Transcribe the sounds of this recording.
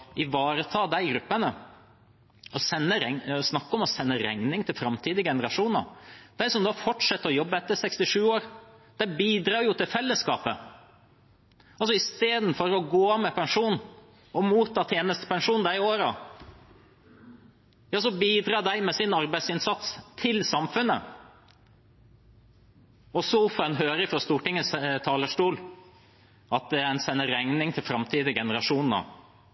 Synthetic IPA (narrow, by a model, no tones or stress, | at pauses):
ʔɪʋɑːɾət̪ʰɑːd̪æɪɡɾʉpːənə | ɔsɛnːəɾɛŋsnɑkːəɔmɔsɛnːəɾæ̰ŋnɪŋt̪ʰɪlfɾɑmt̪ʰiːd̪əɡɛnəɾɑʂuːnɑ̰d̪̥æɪsɔmd̪ɑfɔʈʂɛt̪ːəɾɔjɔbːəɛt̪ːəɾsɛkst̪ɪʂʉːoːɾd̪̥æɪbiːd̪ɾɑːɾjʊt̪ʰɪlfɛlːəskɑ̰ːpə | ɑlsɔɪst̪eːd̪n̩fɔɾɔɡoːɑmɛpʰɛŋʂuːn | ɔmuːt̪ʰːɑːt̪ʰeːnəst̪ə̥pɛŋʂuːnd̪æɪɪoːɾɑ | jɑːs̬ɔbiːd̪ɾɑːd̪æɪmɛsɪnɑɾbæɪsɪnsɑt̪st̪ʰɪlsɑmfʉnːə | ɔsuːfɛnɦøːɾəɪfɾɑst̪uːʈɪŋːəst̪ʰɑːləʂʈuːl | ɑt̪̚d̪ɛɛnsɛnːəɾɛŋnɪŋt̪ʰɪlfɾɑmt̪ʰiːd̪əɡɛnəɾɑʂuːnn̩ɔ̰